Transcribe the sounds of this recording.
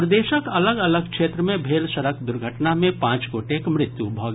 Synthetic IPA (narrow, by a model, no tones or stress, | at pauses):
ɾd̪eːʃəkɐləɡɐləɡ̚kʃeːt̪ɾəmẽbʱeːlʃəɾəkd̪ʊɾɡʱəʈnamẽpãːt͡ʃɡoːʈekmɾɪt̪jubʱɔːɡ